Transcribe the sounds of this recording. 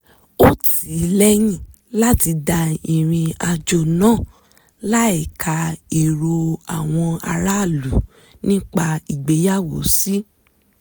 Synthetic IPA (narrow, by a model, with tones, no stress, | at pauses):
o˦ti˨˦lɛ˦j̃ĩ˦˨ | la˦ti˧da˧i˨ɾ̃ĩ˧a˧d͡ʒo˧˨nãː˦˨ | la˦ɛ˦˨kʰa˧i˨ɾo˧a̰˨w̃ɔ̃˧a˧ɾa˦˨lu˨˦ | nĩ˦k͡pa˧i˨ɡ͡be˨˦ja˦˨wo̰˨˦si˦